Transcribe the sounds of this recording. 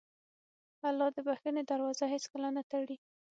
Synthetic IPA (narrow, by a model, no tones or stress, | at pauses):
alːɑd̪əbaxəned̪aɾwɑzaɦet͡skəlanat̪aɽi